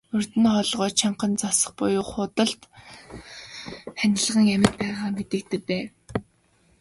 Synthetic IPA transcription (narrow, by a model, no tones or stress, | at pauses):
ɵr̥t̪ɘ̆nχɔɮʁɔːt͡ɕt͡ɕʰaɴqə̆nt͡sɔsə̆χpʊjʊːχʊt̪ə̆ɬt̪ | χænʲɪ̆ɮʁə̆ŋæmʲɪ̆t̪̚pæːʁaːmet̪ɘ̆k̚t̪ɘ̆k̚pæː